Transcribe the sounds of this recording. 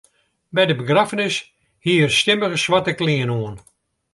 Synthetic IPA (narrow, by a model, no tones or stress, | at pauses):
bɛjdəbəɡrafənɪs | hiərstɪməɣəsʋatəkliənoən